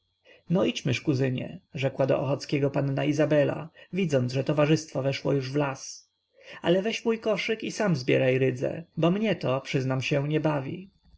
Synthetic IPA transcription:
nɔit͡ɕmɘʂkuzɘɲɛ̰ʐɛkwad̪ɔ̰ʔɔxɔt̪skʲɛɡɔpanːaizabɛla̰vʲid̪zɔnd̪ʐɛt̪ɔvaʐɘst̪fɔvɛʂwɔ̰juʐvlas | alɛvɛɕmujkɔʂɘkisamzbʲjɛ̰ɾajɾɘd̪zɛ̰bɔmɲɛt̪ɔpʂɘznamɕɛ̃ɲɛbavʲḭ

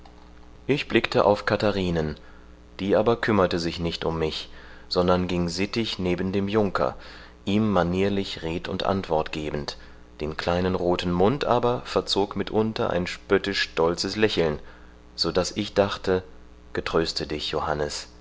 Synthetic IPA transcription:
ʔɪçb̥lɪktʰəʔa̰ʊfkʰataʁiːnən | d̥iːʔaːbɐkʰʏmɐtəzɪçnɪçtʊmːɪçz̥ɔndɐnɡɪŋzɪtɪçneːbn̩deːmjʊŋkʰɐ̰ | ʔiːmːaniːɐlɪçʁeːtʊ̰ntʔa̰ntv̥ɔɐtɡ̥eːbn̩t | d̥eːnkl̥aɪnənʁoːtn̩mʊntʔa̰ːbɐfɛɐt͡soːkmɪtʔʊntɐ̰ʔa̰ɪnʃpœtɪʃʃtɔlt͡səslɛçl̩n | z̥odasɪçd̥aχtə | ɡ̥ətʁ̥øːstədɪçjohanəs

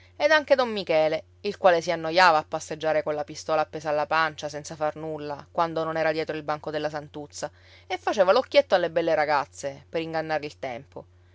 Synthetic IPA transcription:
ed̪aŋked̪omːikɛːle | ilkwaːlesianːojaːvaːpːasːed͡ʒːaːɾekolːapist̪ɔːlaːpːɛːsaːlːapant͡ʃasɛnsafarnulːakwand̪ononɛːɾad̪jɛːt̪ɾoilbaŋkod̪elːasant̪ut̪sːa | efːat͡ʃeːvalokːjet̪ːoalːebɛlːeɾaɡat̪sːepeɾiŋɡanːaːɾeilt̪ɛmpo

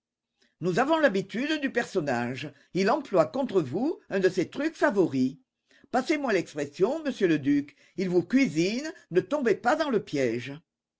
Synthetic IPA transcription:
nuzavɔ̃labit̪yd̪d̪ypɛʁsɔnaʒə | ilɑ̃plwakɔ̃t̪χəvuɛ̃d̪əset̪ʁykfavɔʁi | pasemwalɛkspʁesjɔ̃məsjøləd̪yk | ilvukɥizinnət̪ɔ̃bepad̪ɑ̃ləpjɛʒə

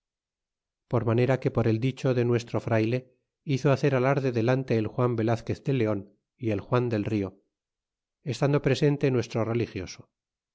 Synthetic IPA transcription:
po̞ɾmane̞ɾake̞po̞ɾe̞ld̪it͡ʃo̞ðe̞nwe̞st̪ɾo̞fɾajle̞ | iθoaθe̞ɾalaɾðe̞ðe̞lant̪e̞ːlxwambe̞laθke̞θd̪e̞le̞o̞n | ie̞lxwand̪e̞lrio | est̪and̪o̞pɾe̞se̞nt̪e̞nwe̞st̪ɾore̞lixjo̞so̥

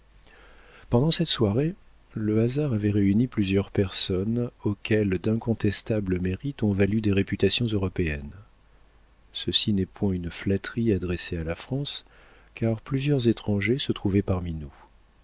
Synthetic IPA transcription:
pɑ̃d̪ɑ̃sɛt̪swaʁe | ləazaʁavɛʁeyniplyzjœʁpɛʁsɔnokʰʲɛld̪ɛ̃kɔ̃t̪ɛst̪abləmeʁit̪ɔ̃valyd̪eʁepyt̪asjɔ̃zøʁɔpeɛn | səsinɛpwɛ̃ynflat̪χiad̪ʁesealafχɑ̃s | kaʁplyzjœʁzet̪χɑ̃ʒesət̪χuvɛpaʁminu

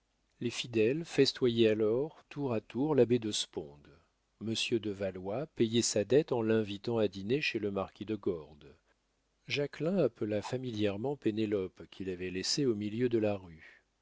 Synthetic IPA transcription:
lefid̪ɛlfɛst̪wajɛalɔʁt̪ʰuʁat̪uʁlabed̪əspɔ̃d̪ | məsjød̪əvalwapejɛsad̪ɛt̪ɑ̃lɛ̃vit̪ɑ̃ad̪ineʃeləmaʁkʲid̪əɡɔʁd̪ | ʒaklɛ̃apəlafamiljɛʁmɑ̃penelɔpkʲʰilavɛleseomiljød̪əlaʁy

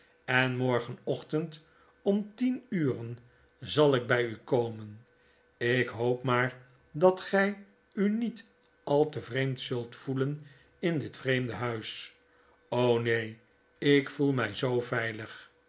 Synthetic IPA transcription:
ɛnmɔɹχənɔχtənt | ɔmtinyːrən | zɑlˠɪɡ̚bɛjykowmən | ɪkɦowpmaːɹ | dɑtχɛj | ynit | ɑlˠtəvrejmtsɵlˠtfulən | ɪndɪtfrejmdəɦœɥs | ownej | ɪkfulˠmɛjzowvɛjləχ

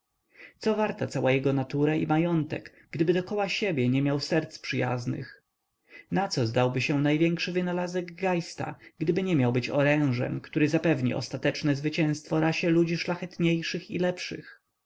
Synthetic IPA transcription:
t̪sɔvaɾt̪at̪sawajɛɡɔnat̪uɾaḭmajɔnt̪ɛ̰k | ɡ̥d̪ɘbɘd̪ɔkɔwaɕebʲjɛɲɛmʲjawsɛɾt̪spʂɘja̰znɘ̰x | nat̪sɔzd̪awbɘɕɛnajvʲjɛŋkʂɘvɘnalazɛɡɡajst̪a̰ɡd̪ɘbɘɲɛmʲjawbɘt͡ɕɔ̰ɾɛ̃w̃ʐɛ̰mkt̪uɾɘzapɛvɲḭɔ̰st̪at̪ɛt͡ʂnɛzvɘt͡ɕɛ̃st̪fɔɾaɕɛlud͡ʑiʂlaxɛt̪ɲejʂɘxilɛpʂɘ̰x

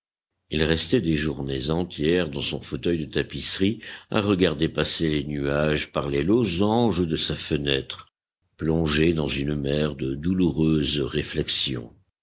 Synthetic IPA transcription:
ilʁɛst̪ɛd̪eʒuʁnezɑ̃t̪jɛʁd̪ɑ̃sɔ̰̃fot̪œjd̪ət̪apisʁia̰ʁəɡaʁd̪epaselenyaʒpaʁlɛlozɑ̃ʒəd̪əsafənɛt̪χ | plɔ̃ʒed̪ɑ̃zynmɛʁd̪əd̪uluʁøːzʁeflɛksjɔ̰̃

